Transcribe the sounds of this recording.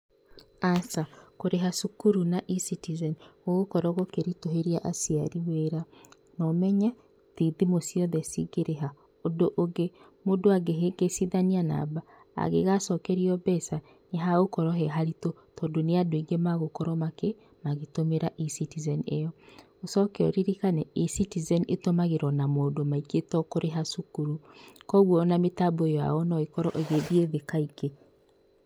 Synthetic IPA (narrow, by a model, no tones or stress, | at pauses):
asakoɾeɦasukuɾunaʔisitizɛnoɣokɔɾɔɣokeɾitoɦeɾiaʔasiaɾiweɾa | nɔmɛɲɛ | ðiðimosiɔðɛsḭɡeɾeɦa | odoʔoɡe | modoaɡeɡesiðaniana̰ba | a̰ɣeɣasɔkɛɾiɔbɛsa | neɦaɣokɔɾɔɦɛɦaɾito | tɔːdoneadoiŋɡemaɣokɔɾɔmake | maɣetomeɾaʔisitizɛnejɔ | osɔkɛɔ̰ɾiɾikanɛisitizɛnetomaɣeɾɔnamoːdomaiketɔkoɾʔeɦasukuɾukɔɣwɔnametaboejɔa̰ɔnɔikɔɾɔʔeɣeðieðekaike